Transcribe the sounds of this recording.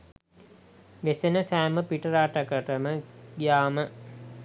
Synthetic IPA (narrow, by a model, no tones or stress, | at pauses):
ʋesenəsæːməpiʈəɾaːʈəkəʈəməɡijaːmə